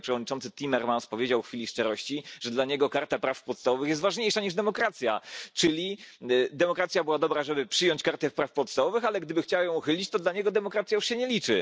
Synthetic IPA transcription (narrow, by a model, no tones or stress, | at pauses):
pʂɛvɔd̪ɲit͡ʂɔnt̪sɘt̪ʲimɛɾmanspɔvʲjed͡ʑawxfʲilʲiʂt͡ʂɛɾɔɕt͡ɕiʐɛd̪laɲɛɡɔkaɾt̪apɾafpɔt̪st̪avɔvɘxjɛst̪vaʐɲejʂaɲiʐd̪ɛmɔkɾat̪sʲja̰t͡ʂɘlʲid̪ɛmɔkɾat̪sʲjabɘwad̪ɔbɾaʐɛbɘpʂɘjɔɲt͡ɕkaɾt̪ɛfpɾafpɔt̪st̪avɔvɘxalɛɡd̪ɘbɘxt͡ɕawajɔ̃w̃uxɘlʲit͡ɕt̪ɔd̪laɲɛɡɔd̪ɛmɔkɾat̪sjajuʂɕɛɲɛlʲit͡ʂɘ